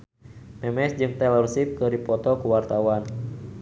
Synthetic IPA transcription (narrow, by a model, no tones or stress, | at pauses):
mɛmɛsd͡ʒɨŋt̪ɛlɔrsip̚kɨrdipɔt̪ɔkuwart̪awan